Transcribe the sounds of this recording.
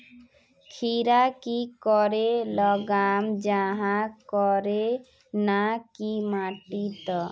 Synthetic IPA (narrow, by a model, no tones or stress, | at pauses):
kʰiɾakikɔɾelɔɡamd͡ʒaɦãkɔɾe | nakimaʈit̪ɔ